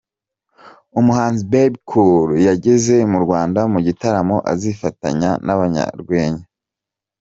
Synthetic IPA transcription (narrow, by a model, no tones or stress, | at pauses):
umuhaːnzibebkʰuɾjaɟe̞ze̞muɾɡwaːndamuɟitaɾamo̞ʔa̰zifata̰ɲanaβaɲa̰ɾɡwe̞ːɲa